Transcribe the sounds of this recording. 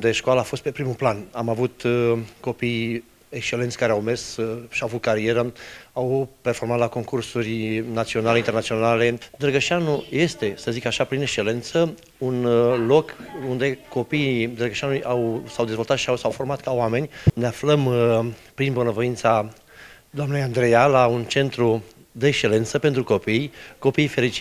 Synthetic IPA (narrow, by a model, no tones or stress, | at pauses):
d̪eʃkwalaːfo̞st̪pe̞pɾimuplanamavut̪ko̞pij | ekʃt͡ʃelent̪sʲkaɾeawmersʃiawavut̪kaɾie̞ɾəawpe̞rfo̞rmat̪lako̞ŋkursurʲnat̪sio̞naleint̪enat̪sio̞nale̞d̪ɾəɡəʃianuje̞st̪e̞səzikaʃapɾine̞kʃt͡ʃe̞le̞nt̪sə | unlo̞kund̪e̞ko̞piːd̪ɾəɡəʃianuujʔawsawd̪e̞zvo̞lt̪at̪ʃiawsawfo̞rmat̪̚kawame̞nʲneafləmpɾinbonəvo̞int̪sa | d̪oamnejand̪ɾejalaunt͡ʃe̞nt̪ɾu | d̪eːkʃt͡ʃe̞le̞nt̪səpe̞nt̪ɾuko̞pijko̞piːjfe̞lit͡ʃi